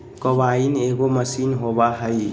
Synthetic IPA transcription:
kɔbaineɡɔməsinɦɔbaɦəj

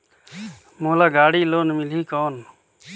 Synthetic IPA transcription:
moːlaːɡaːɽiːloːnmɪliːkoːn

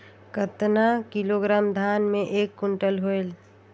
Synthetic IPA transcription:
kət̪nakiloɡɾaːmd̪ʱaːnmẽʔeːkːʊɳʈəlɦoel

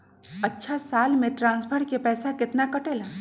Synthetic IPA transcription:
ətːʃʰasaːlmẽʈɾãːnsbʰʱəɾkepɛːsakɪt̪nakəʈela

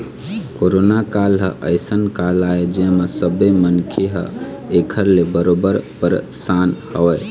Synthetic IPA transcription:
koɾonakalɦəʔə̰ɪsənkalaed͡ʒẽmesəbəjmənkʰeɦə̰ | ekʰəɾlebəɾobəɾpəɾsanhəʋɛj

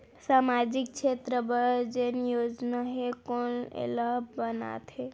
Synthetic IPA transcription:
saːmad͡ʒik̚t͡ʃʰet̪ɾəbəɾd͡ʒenjod͡ʒnaɦekonḛlabəna̰t̪ɦe

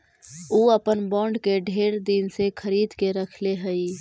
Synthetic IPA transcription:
uːəpənbɔ̃ːɳɖkeɖʱeːɾd̪insekʰəɾiːd̪keɾəkʰleɦəi

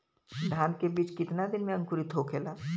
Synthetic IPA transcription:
ɖ̪ʱaːnkebiːt͡ʃkɪt̪nad̪ɪnmẽɐ̃ŋkʊɾit̪ʰoːkʰeːlaː

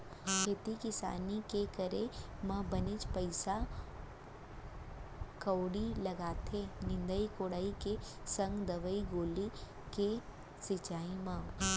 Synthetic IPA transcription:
kʰeːt̪ikɪsa̰ːnikekɐɾemɐ̃bɐnit͡ʃpɐɪsa | kɐwɽilɐɡaːt̪ʰenɪ̃nd̪əikoːɽaːike | sɐ̃ŋɡd̪ɐʋəiɡoːli | ke | sɪt͡ʃaːimãː

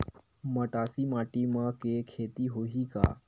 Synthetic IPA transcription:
məʈasiːmaʈiməkekʰet̪iːɦoɦiːka̰

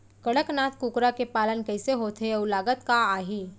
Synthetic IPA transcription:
kɐɽəknaːt̪ʰkuːkɾakepaːlənkɛːseɦoːt̪ʰeʊlaːɡət̪kaaːɦiː

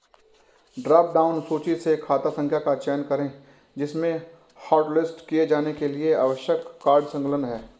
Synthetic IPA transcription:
ɖɾaːp̚ɖaːʊnsuːt͡ʃisekʰːaːt̪asə̃ŋkʰjakat͡ʃɛːnkɐɾẽ | d͡ʒɪsmẽ | haːʈlɪsʈkijed͡ʒaːnekeliea̰ːʋəʃjəkːaːɾɖsə̃ŋkələnɦɛː

